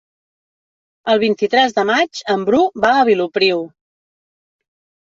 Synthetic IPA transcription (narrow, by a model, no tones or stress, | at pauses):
əlˠβint̪it̪ɾɛzðəmad͡ʒəmbɾubaəβ̞ilupɾiw